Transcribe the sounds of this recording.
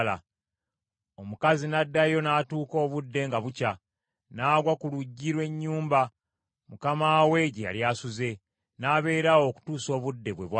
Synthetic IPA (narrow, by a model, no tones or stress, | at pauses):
la̰ | o̞mukazinadːajo̞naːtuːko̞ːβudːe̞ŋɡaβuca | naːɡwakuluɟːiɾwe̞ɲːuːmba | mukamaːweɟia̰ljaːsuze̞ | naːβe̞ːɾawo̞ku̥tuːso̞ːβudːe̞βwe̞̰βwa